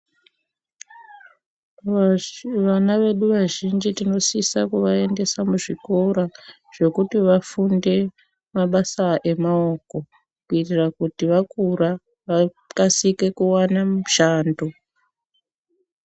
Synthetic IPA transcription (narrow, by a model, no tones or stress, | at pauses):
ʋanaʋe̞ɗuʋaʒind͡ʒitino̞sisakuʋae̞nde̞samuʐikoɾa | ʐ̥e̞kutiʋafunde̞ | maɓasaʔe̞mao̞ko̞ | kuitirakutiʋakuɾa | ʋa | kasike̞kuwanamuʃaːndo